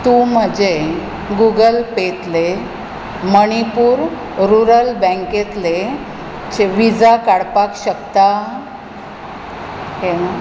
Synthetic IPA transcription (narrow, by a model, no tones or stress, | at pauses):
t̪ũm̤əd͡ʑe | ɡuɡəlpet̪le | məɽ̃ipuːɾ | ɾuɾəlbə̃ŋket̪le | t͡ɕeʋid͡zakaɽpakɕəkt̪a | ɦena